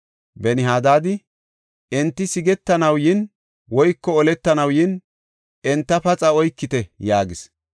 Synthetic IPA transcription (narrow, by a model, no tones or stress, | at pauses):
bɛnɪɦaːd̪aːd̪ɪ | ʔɛnt̪ːɪsɪɡɛt̪ːɐnɐwjɪn | wɔjkːɔɔlɛt̪ːɐnɐwjɪn | ɛnt̪ːɐpɐt͡sʼɐɔjkːɪt̪ɛjaːɡɪs